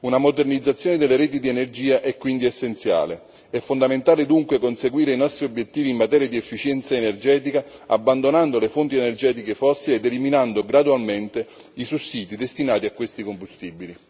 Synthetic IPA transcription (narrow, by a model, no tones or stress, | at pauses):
unamod̪ernid̪zːat̪sjoːned̪elːeɾɛːt̪id̪ienerd͡ʒiːaʔɛkːwind̪iesːent̪sja̰ːle | ɛfːond̪ament̪aːled̪uŋkwekonseɡwiːɾeinɔst̪ɾiobjet̪ːiːviːmːat̪ɛːɾjad̪iefːit͡ʃjɛnt̪saenerd͡ʒɛːt̪ikaa̰bːand̪onand̪olefont̪ienerd͡ʒɛːt̪ikefɔsied̪ːeliminand̪oɡɾad̪ualment̪e | isusːiːt̪id̪est̪inaːt̪iakːwest̪ikombust̪ibili